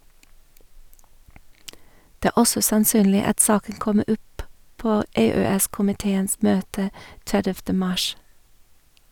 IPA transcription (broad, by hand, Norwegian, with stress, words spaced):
ˈdɛ ˈæː ˈɔsɔ sɑnˈsyːnlɪ ˈɑt ˈsɑːkən ˈkɔmə ˈɔp ˈpoː ˈeːˌøːˌɛskʊmɪˌteːəns ˈmøːtə ˈtɛdɛftə ˈmɑʃ